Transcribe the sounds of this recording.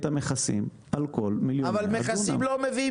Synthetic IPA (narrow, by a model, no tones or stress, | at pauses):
t̪ameχasḭm | ʔalko̞lmiljoavalmeχasimlomevi